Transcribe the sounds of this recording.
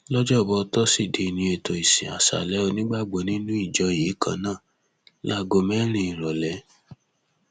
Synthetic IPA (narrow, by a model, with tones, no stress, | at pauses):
lɔ˦d͡ʒɔ˦˨bɔ˧tɔ˦si˦˨de˨nĩ˧e˨to˨i˨sḭ˨a̰˨sa̰˨lɛ˦o˧nĩ˦ɡ͡ba˦˨ɡ͡bo˨˦nĩ˦nũ˦i˦˨d͡ʒɔ˧˦ji˨˦kʰã̰˧˦nãː˦˨ | la˦ɡo˧mɛ˦ɾĩ˧˦i˨ɾɔ˨lɛ˨˦